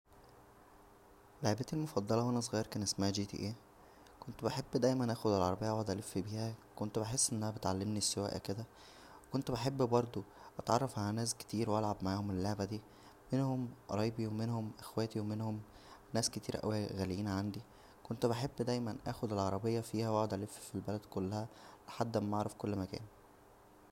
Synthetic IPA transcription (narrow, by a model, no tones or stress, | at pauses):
leʕbæːt̪ilmofɑd̪ˤːɑlɑwænæs̬ˤɣɑːjɑɾkæːnʔesmæhæd͡ʒiːt̪ḭʔeː | kont̪beħebːd̪æjmænʔæːxod̪elʕɑ̰ɾˤɑbejːɑwæd̪ælefːbiːhækont̪beħesːʔenːʔænæbet̪ʕalːemnisːowæ̰ːʔæ̰ked̪æ | wekont̪beħebːbɑɾˤd̪ˤoʔɑt̪ʕɑrˤːɑfʕalænæːske̥t̪iːɾwʔælʕabmaʕaːhomelːoʕbæd̪iː | menhomɾˤɑjbiwemenhomʔexwæːt̪iwemenhom | næːsket̪iːɾʔæ̰wæɣæljiːnʕand̪i | kont̪beħebːd̪æjmænʔæ̰ːxod̪elʕɑɾˤɑbejːɑfiːhæwoʕod̪ʔælefːfilbælæd̪kolːæhæleħad̪ːmːɑʕɾˤɑfkolːmækæ̰ːn